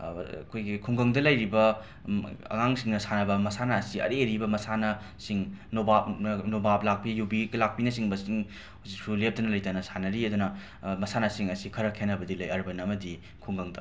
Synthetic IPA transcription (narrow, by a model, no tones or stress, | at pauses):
kʰojɡikʰuŋɡɐŋdɐlɐjɾibɐ | ɐ̰ŋaŋsiŋnɐsanɐbɐmɐsanaːsiɐ̰ɾeɾibɐmɐsanɐ | siŋnobap̚nɐnobap̚lak̚pijubiɡɐlak̚pinɐsiŋbɐsiŋ | huzik̚sulep̚dɐnɐlɐjtanɐsanɐɾiɐdunɐ | mɐsanasiŋɐsikʰɐɾɐkʰenːɐbɐdilɐjɐɾbɐnɐmɐdi | kʰuŋɡɐŋdɐ